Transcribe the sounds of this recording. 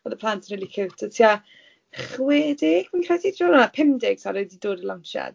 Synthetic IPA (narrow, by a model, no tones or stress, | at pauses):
ɔðəpʰlˠantʰənrilikʰɪwtʰatʰia | χweːdɪɡ̥minkʰradʰidrɔlˠɔnapʰɪmdɪɡ̥sʰaɾɔjdidoːdəlanʃa̰d